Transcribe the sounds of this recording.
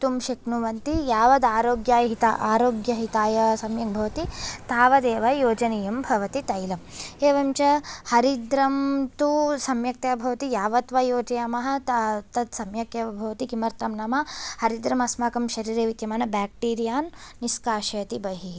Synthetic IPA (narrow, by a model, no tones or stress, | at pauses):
t̪umʃɐknuʋɐnt̪ijaːʋɐd̪aːɾoːɡjaːɦit̪a̰ʔaːɾoːɡjɐɦit̪aːjɐsɐmjɐk̚bʱɐʋɐt̪it̪aːʋɐd̪eːʋɐjoːd͡ʒɐnejɐmbʱɐʋɐt̪it̪ɐjlɐmeːʋɐmt͡ʃɐhɐɾid̪ɾɐmt̪usɐmjɐk̚t̪aːbʱɐʋɐt̪ijaːʋɐt̪ʋɐjoːd͡ʒɐjaːmɐɦɐ̆t̪t̪ɐt̪sɐmjɐkjɐɐbʱɐʋɐt̪ikimɐɾt̪ɐmnɐmɐhɐɾid̪ɾɐmɐsmaːkɐmʃɐɾiːɾeːʋit̪jɐmaːnɐbaːk̚ʈiːɾijaːnːiskaːʃɐjɐt̪ibɐɦi